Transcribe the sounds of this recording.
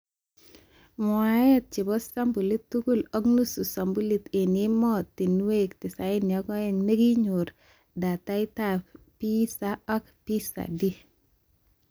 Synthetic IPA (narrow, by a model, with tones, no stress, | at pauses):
mwa˨˦jɛt̚t͡ʃi˨bɔ˦sa˦mbu˨li˦tːuku˦lɔ˦knu˦su˨sa˨mbu˦li˦t̪e˨ni˦mɔti˨nu˦we˦kti˨sa˦inːi˨ɔ˦kɔ˦ɛ˦ŋne˦ɡi˦ɲuɾ | da˨ta˦i˦tapi˦saɔ˦kpisa̰di˦